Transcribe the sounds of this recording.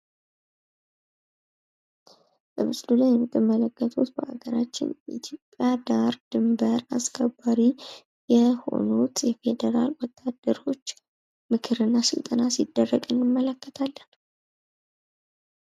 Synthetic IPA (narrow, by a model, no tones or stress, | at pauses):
bəmɨsʼlulajɛmɨt̪ʼːɨmːələkːət̪ʰut̪bəʔaɡəɾat͡ʃːɪ̰njʔit̪ʰjo̞pʼːjad̪aɾd̪ɨmbəɾaskʰəbaɾi | jɛho̞̰nut̪jɛfe̞d̪əɾa̰lwɔt̪ʰːad̪̥ːəɾo̞t͡ʃː | mɨkʰɨɾɨnːasɨlt̪ʼənasid̪ːərːəɡʼɨnːɨmːələkːət̪ʰalːən